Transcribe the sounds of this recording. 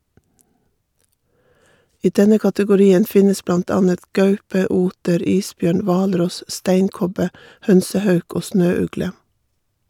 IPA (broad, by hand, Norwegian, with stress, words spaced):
ˈiː ˈdɛnə kɑtəɡʊˈɾiːən ˈfɪnəs ˈblɑnt ˈɑːnət ˈɡœʉpə ˈuːtəɾ ˈiːsˌbjøːɳ ˈʋɑːlˌɾɔs ˈstæɪŋˌkɔbə ˈhœnsəˌhœʉk ˈoː ˈsnøːˌʉɡlə